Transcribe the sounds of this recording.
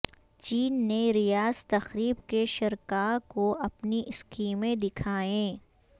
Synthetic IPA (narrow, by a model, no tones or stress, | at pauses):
t͡ʃiːnːeɾijaːz̥t̪ɐxɾiːbkeʃɐɾkaːkoɐpniʔɪskiːmẽd̪ɪkʰaːẽː